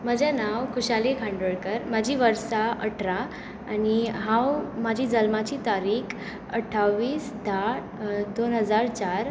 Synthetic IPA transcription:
məd͡ʑʱanawkuɕalikʰãɳɖoɭkəɾmad͡ʑʱiːʋəɾsaʔəʈʰɾaː | niɦãwmad͡ʑʱiːd͡zəlmat͡ɕiːt̪aɾiːkʰ | əʈʰːawʋiːsd̪ʱa | d̪onɦəd͡zaɾt͡ɕaɾ

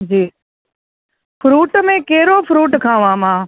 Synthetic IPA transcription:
d͡ʒiː | pʰɾuːʈmẽːkeɦɪɾopʰɾuːʈkʰãːʋãːmãː

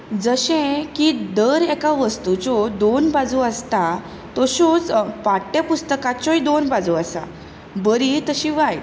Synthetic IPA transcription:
d͡zəɕẽkid̪əɾɛkaʋəst̪ut͡sɔd̪onbad͡zuəst̪a | t̪ɔɕut͡spaʈːẽpust̪əkatt͡ɕɔid̪onbad͡zuəsa̰ | bəɾit̪əɕĩʋaj

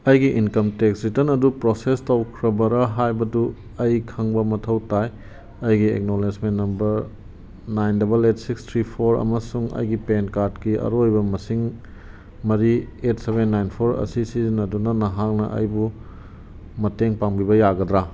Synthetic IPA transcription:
ɐjɡiʔinkɐmteksɾitɐnɐdupɾosestɐwkʰɾɐbɐɾɐɦajbɐdu | ɐjkʰɐŋbɐmɐtʰɐwtaj | ɐjɡiḛk̚nolesmenːɐmbɐɾ | najndɐbɐletsikstʰɾipʰoɾɐ̰mɐsuŋɐ̰jɡipenkaɾdkiʔɐ̰ɾojbɐmɐsiŋ | mɐɾietseβenːajnpʰoɾɐ̰sisizinɐdunɐnɐɦak̚nɐ̰ʔɐ̰jbu | mɐteŋpaŋbibɐjaɡɐdɾa

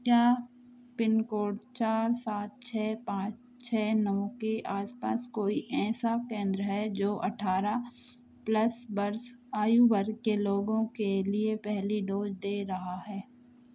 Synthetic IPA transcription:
kjaː | pɪnkoːʈt͡ʃaːɾsaːt̪̚t͡ʃʰɛːpãːt͡ʃ | t͡ʃʰɛːnəʋ̃keʔaːspa̰ːskoːiʔɛ̃ːsakẽːnd̪ɾəɦɛd͡ʒoːʔɐʈʰaːɾa | plɐsbɐɾsaːjubəɾkeloːɡõkeliepɛɦliɖoːd͡ʒd̪eːɾɐɦaɦɛː

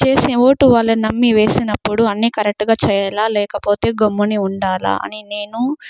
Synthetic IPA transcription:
t͡ʃe̞ːsio̞ːʈuʋaːlːɐnɐmːiʋe̞ːsinɐpːuɽuɐnːiːkɐɾek̚ʈɡaːt͡ʃɛjɐlaːlɛːkɐpo̞ːt̪e̞ːɡomːuniuɳɖaːla̰ːʔɐ̰nine̞ːnu

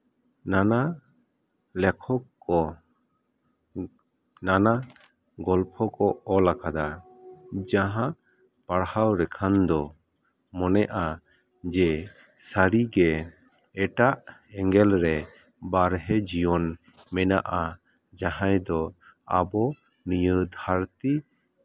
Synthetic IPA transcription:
nana | lɛkʰɔkː | ɔ | nana | ɡɔlpʰɔkɔɔlakad̪a | d͡ʒaɦã | paɽhawɾɛkʰand̪ɔ | mɔnɛʔa | d͡ʒɛ | saɾiɡɛ | ɛʈaʔɛŋɡɛlɾɛ | baɾɦɛd͡ʒijɔn | mɛna̰ʔa | d͡ʒaɦãjd̪ɔa̰bɔ | nijəd̪ʱaɾt̪i

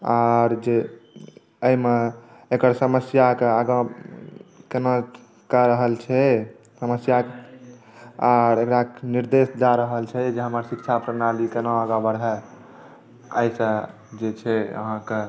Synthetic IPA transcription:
aɾd͡ʒe | əjmeekəɾsəməsjakeaɡa | kena | kəɾəɦəlt͡ʃʰɛ | səməsjak | aɾekɾakniɾd̪esd͡ʒaɾəɦəlt͡ʃʰɛd͡ʒeɦəməɾsikt͡ʃʰapɾənalikenaəɡabəɾɦɛ | ə̰jsə̃ | d͡ʒet͡ʃʰɛə̰ɦãke

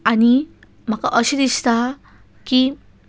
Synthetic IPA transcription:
ani | m̤akaʔəɕed̪ist̪a | ki

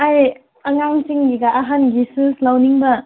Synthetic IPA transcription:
aj | ɐŋaŋt͡ʃiŋɡiɡaʔːɦanɡisɯslawniŋbɐ

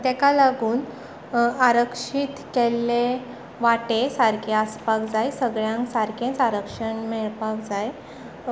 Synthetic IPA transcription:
t̪ɛkalaɡuːn | aɾəkʂit̪kelːe | ʋaʈesaɾkeaspakd͡zajsəɡɭjãŋksaɾkʰẽt͡saɾəkʂəɳmeɭpak̚d͡zaj

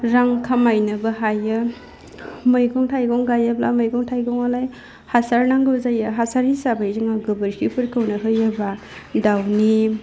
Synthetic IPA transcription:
ɾaŋkʰamajnɯbaɦajɯ | mɯjɡɔŋtʰajɡɔŋɡajablamɯjɡɔŋtʰajɡɔŋalaj | hasaɾnaŋɡɯwzajɯɦasaɾhisabajziŋaɡɯbɯɾkʰipʰɯɾkʰɯwnaɦɯjɯba | dawni

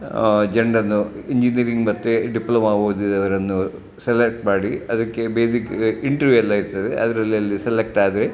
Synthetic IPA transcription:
d͡ʒeɳɖɐnːuiɲd͡ʒiniɐɾiŋɡmɐt̪ːeɖiplɐmaːboːd̪id̪ɐʋɐɾɐnːu | selek̚ʈmaːɽiɐðɐkːebeːsikiɳʈɐɾʋjuelːaːiɾut̪ɐðeʔɐ̰d̪ɐɾɐlːiɐlːiselek̚ʈaːd̪ɾe

